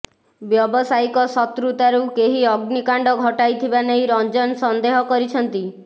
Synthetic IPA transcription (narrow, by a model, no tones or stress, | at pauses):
bjɔbɔsajkɔsɔt̪ɾut̪aɾukeɦiɔɡnikaɳɖɔɡʱɔʈajt̪ʰibanejɾɔnd͡ʒɔnsɔnd̪eɦɔkɔɾit͡ʃʰɔnt̪i